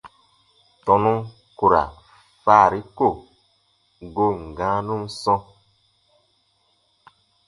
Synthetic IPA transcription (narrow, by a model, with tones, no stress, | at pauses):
tɔ̃˨nũ˦ | ku˨ɾa̰˨ | faː˦˨ɾi˦ko˦˨ | ɡo˦˨ŋ̩˨ɡã˨˦nũ˦msɔ̃˦